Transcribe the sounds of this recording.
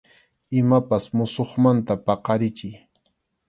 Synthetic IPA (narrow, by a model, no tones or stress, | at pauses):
ɪmapasmʊsoχmant̪apɑqɑɾɪt͡ʃɪj